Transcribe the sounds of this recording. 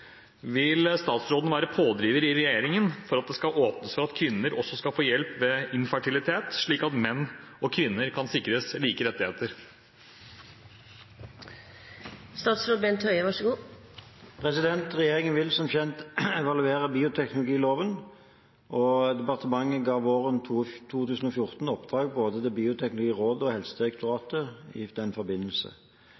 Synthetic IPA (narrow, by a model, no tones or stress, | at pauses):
ʋɪlst̪ɑːt̪sɾoːd̪n̩ʋæːɾəpʰoːd̪ɾiːʋəɾɪɾɛjeːɾɪŋənfɔɾɑt̪̚d̪ɛskɑlʔoːpnəsfɔɾɑt̪kʰʋɪnːəɾʔɔsːɔskɑlfoːjɛlpʋɛːɪnfəʈʰɪlɪt̪ʰeːt̪ʂɭiːkɑt̪mɛnːɔkʰʋɪnːəɾkʰɑnsɪkɾəsliːkəɾɛt̪ːɪheːt̪əɾ | st̪ɑːt̪sɾoːd̪beːnt̪ʰœʏəʋɑʂəɡuː | pʰʁɛsɪd̪ɛnt̪ʁɛjeːʁɪŋənʋɪlsɔmçɛnt̪ɛʋɑlʉeːʁəbiːʊt̪ʰɛknʊlʊɡiːloːʋən | ʔɔd̪ɛpɑʁt̪ʰəmɑŋːəɡɑːʋʋoːʁənʰt̪ʰuːt̪ʉːsn̩ɔfjʊʁt̪n̩ɔpd̪̥ʁɑːɡ̚boːd̪ət̪ɛɪbiːʊt̪ʰɛknʊlʊɡiːʁoːd̪əɔhɛlsəd̪ɪʁɛkt̪ʊʁɑːt̪əɪ̰d̪̥ɛnfɔɾbɪnːəlsə̰